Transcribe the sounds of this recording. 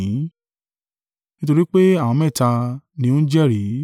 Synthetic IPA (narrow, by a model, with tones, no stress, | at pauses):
nĩ˦to˧ɾi˦k͡pe˦a˦˨w̃ɔ̃˧mɛ̃˦˨ta˧nĩ˧˦õ˦d͡ʒɛ˦˨ɾi˨˦